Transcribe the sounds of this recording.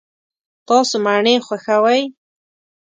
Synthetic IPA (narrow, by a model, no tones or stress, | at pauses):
t̪ɑsomaɳexwaxawaj